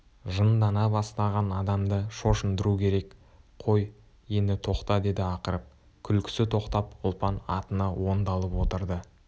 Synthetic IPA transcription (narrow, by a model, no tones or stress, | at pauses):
ʒənd̪ɑnɑbɑst̪ɑʁɑnɑd̪ɑmd̪əʃo̞ʃənd̪əɾukʲʰe̞ɾe̞k | qʰo̞j | je̞nd̪ɪt̪ʰo̞qt̪ɑd̪e̞d̪ɪɑqəɾəp̚ | kʲʰʏlkʲʰɪ̥sɪt̪ʰo̞qt̪ɑpʊlˠpɑnɑ̰t̪ənɑwo̞nd̪ɑlˠəpwo̞t̪əɾd̪ə